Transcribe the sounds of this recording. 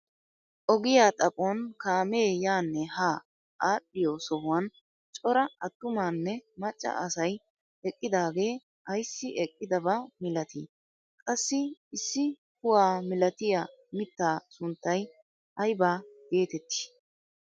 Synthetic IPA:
ʔɔɡɪjaːt̪ʼɐpʼːoːnkaːmeːjaːnːɛhaː | ʔaːɗɪjoːsɔhʊwɐn | t͡ʃʼɔɾɐɐt̪ːʊmaːnːɛmɐt͡ʃʼːɐ̰ʔɐsɐj | ɛkʼːɪd̪aːɡe̞ː | ʔɐjsːɪʔɛkʼːɪd̪ɐbɐmɪlɐt̪ḭː | kʼɐsːɪɪsːɪ | kʊwaːmɪlɐt̪ɪja | mɪt̪ːaːsʊnt̪ːɐj | ʔɐjbaːb̥e̞ːt̪ɛt̪ːi̥ː

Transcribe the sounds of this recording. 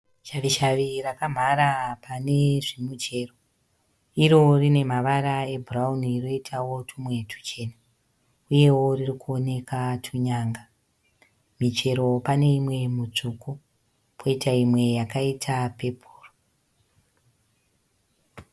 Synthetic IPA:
ʃaʋiʃaʋirakam̤aɾapʰane̞ʐimut͡ʃe̞ro | iɾo̞rine̞maʋaɾae̞bʱurauniːro̞itʰawo̞tʰumwe̞tʰu̥t͡ʃe̞na | uje̞wo̞ririkuone̞kʰatʰuɲaːŋɡa | mit͡ʃe̞ɾo̞pane̞imwe̞mut͡ʂuku | pʰoitaimwe̞jakaitʰape̞bʱuːro

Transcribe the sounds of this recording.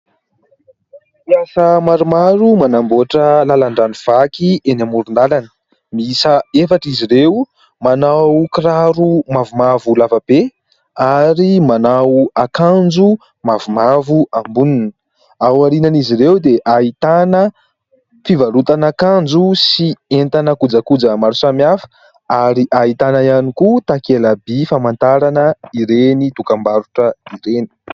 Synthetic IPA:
piasəmaɾumaɾumanamboʈ͡ʂəlalaɳɖ͡ʐaniv̥akienamuɾund̪alanə̥ | miisəefaʈ͡ʂiziɾew | manawkiraɾumavumavulavab̥e | aɾimanawakand͡zu | mavumavuambuninə | awaɾinaniziɾewd̪eʔait̪anə | fivalut̪anakãnd͡zusient̪anəkud͡zakud͡zəmaɾusamafə̥ | aɾiʔait̪anaianikut̪akelabifamant̪aɾanəiɾenit̪ukambaɾuʈ͡ʂəiɾeni̥

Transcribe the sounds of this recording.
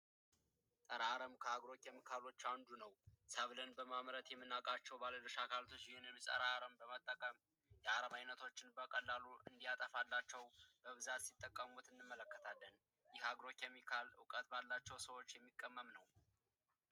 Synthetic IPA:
t̪ʼəɾaːɾəmkʰəaɡɾo̞kːɛmikʰalo̞t͡ʃːand̪unəwsaβlənbəmamɾət̪jɛmːɨnːakʼat͡ʃːɛwbaləd̪əʃakʰalt̪ʰo̞t͡ʃːjɪhɪnɨmsʼə̰ɾaaɾəmbəmət̪ʼːəkʼəm | jɛaɾəmajnːət̪ʰo̞t͡ʃːɪnbəkʼəlːaluɨnd̪ijat̪ʼəfalːat͡ʃːɛwbəβɨzat̪sit̪ʼːəkʼːəmut̪ɨnːɨmːələkːət̪ʰalːən | jɪhaɡɾo̞t͡ʃːjɛmːikʰalʊ̰kʼət̪balːat͡ʃːɛwsəwo̞t͡ʃːjɛmːikʼːəmːəmnəw

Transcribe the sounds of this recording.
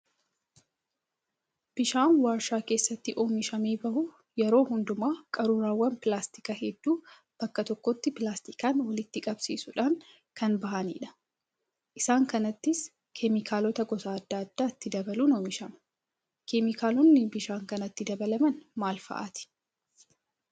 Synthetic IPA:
b̥ɪʃaːnwaːɾʃaːke̞ːsːɐt̪ːɪʔoːmɪʃɐmiːbɐhʊ | jɛɾo̞ːhʊnd̪ʊmaːkʼɐɾuːɾaːwːɐnpɪlaːst̪ɪkɐhɛd̪ːuː | b̥ɐkːɐt̪ɔkːɔt̪ːɪpɪlaːst̪ikaːnwɐlɪt̪ːɪkʼɐb̥siːsʊᶑaːn | kʰɐnbɐʔɐnḭːᶑɐ̥ | ʔɪsaːŋkɐnɐt̪ːɪs | kʰɛmɪkʰaːlɔt̪ɐɡɔsaːd̪ːɐːd̪̥ːaːɪt̪ːɪd̪ɐbɐluːnoːmɪʃɐmɐ̥ | kɛmɪkaːlɔnːɪbɪʃaːŋkɐnɐt̪ːɪd̪ɐbɐlɐmɐnmaːlfɐ̰ʔa̰ːt̪ɪ̥

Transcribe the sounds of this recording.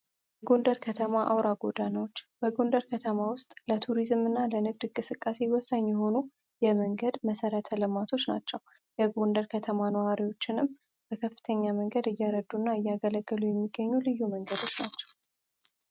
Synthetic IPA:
jjɛɡo̞nd̪əɾkʰət̪ʰəmaʔawɾaɡo̞d̪anwot͡ʃːbəɡo̞ndəɾkʰət̪ʰəmawʊst̪ʼlət̪ʰuɾizmɨnːalənɨɡd̪ɨŋkʼɨsɨkʼːase̞wɔsːaɲːjɛɦo̞nu | jɛməŋɡəd̪məsəɾət̪ʰələmat̪ʰo̞t͡ʃːnat͡ʃːɛw | jɛɡo̞nd̪əɾkʰət̪ʰəmanəwaɾiwo̞t͡ʃːɪnɨm | b̥əkʰəfːɨ̥t̪ʰəɲːaməŋɡəd̪ɨjːaɾəd̪ːunːaɨjːaɡələɡːəlujɛmːiɡːəɲːulɨjːuməŋɡəd̪o̞t͡ʃːnat͡ʃːɛ̥w

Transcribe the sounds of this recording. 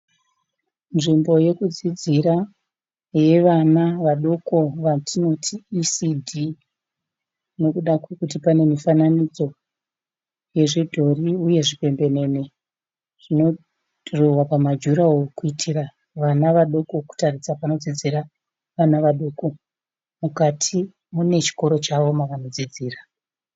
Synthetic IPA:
nʐimbo̞je̞kud͡zid͡ziɾa | je̞ʋanaʋaɗoko̞ʋatʰino̞tʰiːsidʱi | no̞kuɗakwekutipane̞mifananid͡zo̞ | je̞ʐidʱo̞riuje̞ʐipe̞mbe̞ne̞ne | ʐ̥ino̞ | rowapamad͡ʒuɾaokuitʰira | ʋanaʋaɗo̞ko̞ku̥tarisapano̞d͡zid͡ziɾa | ʋanaʋaɗoko̞ | mukatʰi | mune̞t͡ʃi̥ko̞ɾo̞t͡ʃaʋo̞makanod͡zid͡ziːra

